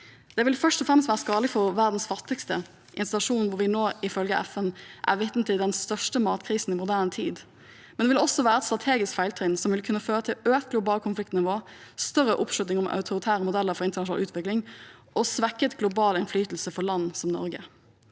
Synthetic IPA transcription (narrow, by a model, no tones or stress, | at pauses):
d̪̥ɛʋɪlfœʂtɔfɾɛmst̪ʋæːɾəskɑːləfɔɾʋæʁd̪n̩sfɑt̪ːɪkst̪ə | ʔɪnst̪ɪt̪ɑʂuːnn̩ʋʊɾʋɪnoːɪfœlɡəʔɛ̰fɛnʔæ̰ɾʋɪt̪n̩t̪ɪd̪ɛnst̪œʂʈəmɑːt̪kʰɾiːsn̩ɪmʊd̪æːʁnət̪ʰiːd̪ | mɛnd̪ɛʋɪlɔsːɔʋæːɾʁəɛt̪st̪ʁɑt̪ʰeːɡɪskfæɪlt̪ʰɾɪnsɔmʋɪlkʰʉnːəføːɾət̪ʰɪløːt̪̚ɡlʊbɑːlkʰʊnflɪk̚t̪nɪʋoː | st̪œɾəʔʊpʂʉt̪nɪŋʊmɑ̰ʉt̪ʰʊɾɪt̪ʰæːɾəmʊd̪ɛlːəɾfɔɾɪnt̪əɳɑʃʊnɑ̰lʔʉːt̪ʋɪklɪŋʔɔsʋækːət̪ɡlʊbɑːlɪnflyːt̪l̩səfɔɭɑnːsɔmnɔ̰ɾɡə